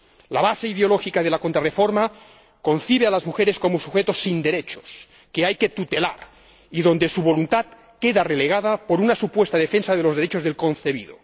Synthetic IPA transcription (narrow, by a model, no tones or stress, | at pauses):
laβaseiðeoloxikað̞e̞lakont̪ɾarefoɾma | ko̞nθiβ̞ealazmuxeɾesko̞mosuxet̪osind̪e̞ɾet͡ʃo̥s | keajket̪ut̪ela̰ɾ | iðo̞nd̪esuβo̞lunt̪at̪ | keðareleɣ̞að̞apoɾunasupwest̪aðefensaðelo̞zðeɾet͡ʃozðelkonθeβiðo̰